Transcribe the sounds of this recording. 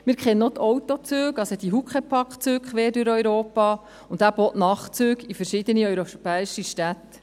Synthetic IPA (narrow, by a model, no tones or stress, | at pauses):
mɪːɾkχɛnənot̪ʰɔwt̪ot͡søːɡɑsod̥̪iɦukχəpʰɑkt͡søːkkχʋeːɾdyɾœɥɾoːpɑː | ʊndæːɾb̥oːʔnɑːχt͡søːɡifəɾʃɪd̥̪əniœɥɾopɛːiʃiʃtæt̪ː